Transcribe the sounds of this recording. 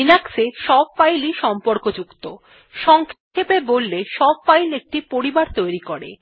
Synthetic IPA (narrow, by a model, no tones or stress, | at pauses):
inakseʃɔb̚fajliʃɔmpoɾkod͡ʑukt̪o | ʃɔŋkʰe | ebebolːeʃɔb̚fajlek̚ʈipoɾibaɾt̪ojɾikoɾḛ